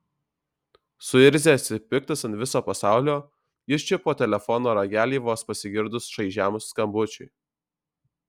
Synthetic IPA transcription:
sʊɪɾʲzʲeɐt̪ʲɪpʲɪk̚t̪ɐsɐnt̪ʋʲɪsoːpɐsɑˑʊlʲoː | jɪʃt͡ʃʲɪpoːt̪ʲɛlʲɛfɔnoːɾɐɡʲæːlʲiːʋoːspɐsʲɪɡʲɪɾd̪ʊsʃɐɪʒʲæmsːkɐmbʊt͡ʃʲʊɪ

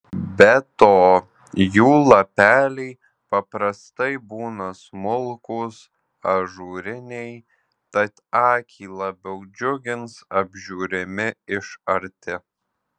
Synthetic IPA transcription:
bʲɛt̪oː | juːlˠɐpʲæːlʲɛɪ | pɐpɾɐst̪ɐɪbuːnɐsmʊlˠkʊs | ɐʒuːɾʲɪnʲɛj | t̪ɐt̪ɑːkʲʰiːlˠɐbʲɛʊd͡ʒʲʊɡʲɪnsɐbʲʒʲuːɾʲɪmʲɪɪʃɐɾʲt̪ʲɪ

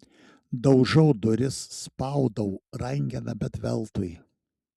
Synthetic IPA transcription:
d̪ɒʊʒɛʊd̪ʊɾʲɪsːpɐʊd̪ɐʊɾɐŋʲɡʲɛnɐbʲɛt̪ʋʲɛ̰lˠt̪ʊj

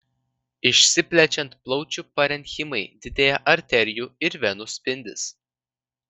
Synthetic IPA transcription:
ɪʃʲsʲɪpʲlʲɛt͡ʃʲɛnt̪plˠɒʊt͡ʃʲupɐɾʲɛnʲxʲɪmɐɪd̪ʲɪd̪ʲeːjɛʔɐɾʲt̪ʲɛɾʲɪjuːɪɾʋʲɛnʊsʲpʲɪnʲd̪ʲɪs

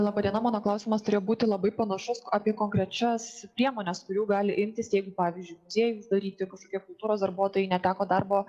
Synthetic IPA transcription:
lˠɑːbɐd̪ʲiɛnɐmɑːnoːklˠɐʊsʲimɐst̪ʊɾʲeːjoːbuːt̪ʲɪlˠɐbɐɪpɐnɐʃʊsɑpʲiɛkoːŋkɾʲɛt͡ʃʲɛspʲɾʲiɛmoːnʲɛskʊɾʲuːɡɑːlʲɪʔɪmʲt̪ʲɪsjɛɪɡʊpɑːʋʲiːzʲd͡ʒʲʊɪmʊzʲiɛjʊsd̪ɐɾʲiːt̪ʲɪkɐʃkoːkʲiɛkʊlˠt̪uːɾoːsd̪ɐɾbuɔt̪oːjɛɪnʲɛt̪ʲæːkoːd̪ɐrboː

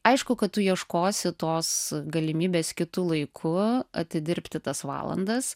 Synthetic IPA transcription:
ɐɪʃkʊkɐt̪̚t̪ʊjiɛʃkoːsʲɪt̪oːsɡɐlʲɪmʲiːbʲeːskʲɪt̪ʊlˠɐɪkʰʊɐt̪ʲɪd̪ʲɪɾʲpʲt̪ʲɪt̪ɐsʋɑ̰ːlˠɐ̰nd̪ɐs

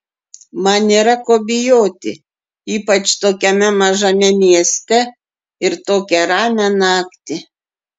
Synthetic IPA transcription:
mɐniːɾɐkoːbʲɪjoːt̪ʲɪ̰ | iːpɐt͡ʃt̪oːkʲɛmʲɛmɐʒɐmʲɛmʲiɛsʲt̪ʲɛ | ɪɾt̪oːkʲɛɾɑːmʲɛnɑːkt̪ʲɪ

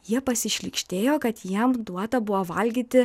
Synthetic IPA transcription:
jiɛpɐsʲɪʃʲlʲɪkʃʲt̪ʲeːjoːkɐt̪jiɛmd̪uɔt̪ɐbʊʋoːʋɐlʲɡʲiːt̪ʲɪ

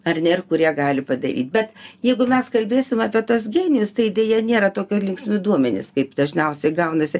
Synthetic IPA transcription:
ɐrnʲɛɪrkʊɾʲiɛɡɑːlʲɪpɐd̪ɐ̰ɾʲḭːt̪̚ʲbʲɛt̪jɛɪɡʊmʲɛskɐlʲbʲeːsʲɪmɑːpʲiɛt̪uɔs̬ɡʲeːnʲɪjʊst̪ɐɪdʲeːjɛnʲeːɾɐt̪oːkʲoːlʲɪŋksʲmʲʊd̪uɔmʲɛnʲḛːskɐɪpd̪ɐʒʲnʲɛʊsʲɛɪɡɐʊnɐsʲɪ

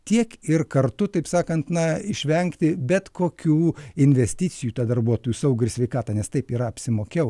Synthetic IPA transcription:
t̪ʲiɛkɪrkɐrt̪ʊt̪ɐɪpsɑːkɐnt̪nɐɪʃʲʋʲɛŋkt̪ʲɪbʲɛt̪koːkʲuːɪnʲʋʲɛsʲt̪ʲit͡s̪ʲɪjuːt̪ɑːd̪ɐrbuɔt̪oːjuːsɐʊɡʲɾʲsʲʋʲɛɪkɑːt̪ɑːnʲɛst̪ɐɪpiːɾɐɐpʲsʲɪmoːkʲɛʊ

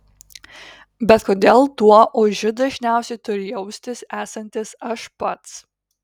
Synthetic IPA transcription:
bʲɛt̪koːd̪ʲeːlˠt̪uɔʔʊʒʲʊd̪ɐʒʲnʲæˑʊsʲɛɪt̪ʊɾʲɪjɛʊsʲt̪ʲɪsæːsɐnʲt̪ʲɪsɐʃpɐt̪s

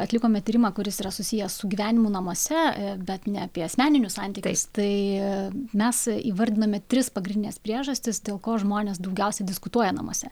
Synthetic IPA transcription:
ɐtʲlʲɪkoːmʲɛtʲiːɾʲɪmɑːkʊɾʲɪsiːɾɐsʊsʲijɛsʊɡʲiːʋʲæːnʲɪmʊnɐmoːsʲɛbʲɛt̪nʲɛɐpʲiɛɐsʲmʲæːnʲɪnʲʊsɑnʲt̪ʲiːtkɪɪst̪ɐɪ | mʲɛsiːʋɐɾʲd̪ʲɪnoːmʲɛt̪ʲɾʲɪspɐɡɾʲɪnd̪ʲɪnʲɛːspʲɾʲiɛʒɐsʲt̪ʲɪsd̪ʲeːlˠkoːʒmoːnʲeːsd̪ɐʊɡʲɛʊsʲɛdʲɪskʊt̪uɔjɛnɐ̰mo̰ːsʲɛ

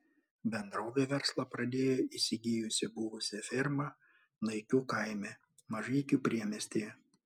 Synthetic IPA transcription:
bʲɛnd̪ɾoːʋʲeːʋʲɛɾslˠɐpɾɐd̪ʲeːjoːisʲɪɡʲijʊsʲɪbʊʋʊsʲɪfʲɪɾmɐ | nɐɪkʲuːkɐˑɪmʲɛ | mɐʒɐɪkʲuːpʲɾʲiɛmʲɛsʲt̪ʲejɛ

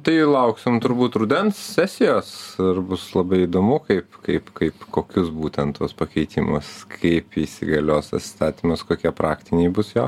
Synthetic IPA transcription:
t̪ɐɪlˠɐʊksʲɪmt̪ʊɾbuːt̪ɾʊd̪ʲɛnssʲæːsʲɪjoːsɪrbʊslˠɐbɐɪid̪oːmʊkɐɪpkɐɪpkɐɪpkoːkʲʊsbuːt̪ʲɛnt̪oːspɐkʲɛɪt̪ʲimʊskʰɐɪpisʲɪ̰ɡɐlʲoːsɐ̰t̪ʲsʲɪ̥st̪ɑːt̪ʲimɐskoːkʲiɛpɾɑːkt̪ʲɪnʲɛɪbʊsjoː

